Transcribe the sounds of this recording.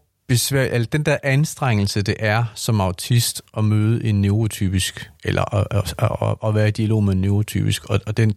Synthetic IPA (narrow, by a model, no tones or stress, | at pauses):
b̥e̝sʋæʔelɐd̥end̥æɐʔænsd̥ʁaŋ̰l̩səd̥e̝ʔæɐsɒ̽mɑ̈ʊt͡sʰisd̥ɒ̽møːð̞ˠəʔe̝nːeʊʁo̝t͡sʰy̰ːb̥isɡ̥elʔɐ̰ʔ | ɒ̽ʋæːɐed̥iælo̝̰ːmeenːe̝ʊʁo̝t͡sʰy̰ːb̥isɡ̥ɒ̽d̥en